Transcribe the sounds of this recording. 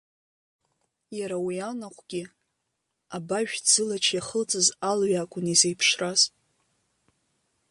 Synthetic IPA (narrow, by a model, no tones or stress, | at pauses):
jaɾawianaqʷɡ̥ʲi | abaʒᶣd͡zɨlat͡ʃʰjaχət͡sʼɨzalɥakʷʼʊnizejpʰʂrazʼ